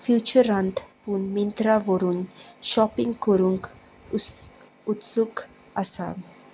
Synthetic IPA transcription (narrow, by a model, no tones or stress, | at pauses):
fjut͡ɕəɾant̪punmint̪ɾaʋɔɾuːnʃɔpĩŋɡkəɾũŋk | ut̪suk | asa̰